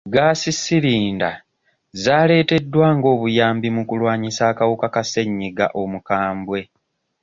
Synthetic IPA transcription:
ɡaːsisiɾiːnda | zaːle̞ːte̞dːwaːŋɡo̞ːβujaːmbimukulwaːɲisaːkawukakase̞ɲːiɡa̰ʔo̞mukaːmbwe̞

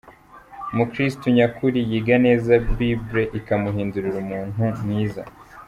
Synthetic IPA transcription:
mukɾistuɲakuɾijiɡane̞ːzabibɾe̞ʔikamuɦiːnduɾiɾumuːnɦumŋiːza̰

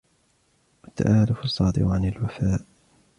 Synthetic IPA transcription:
wat̪ːa̰ʔaːlʊfɑsˤːɑːd̪ˤɪ̰ʔʊʕanalwafaːʔ

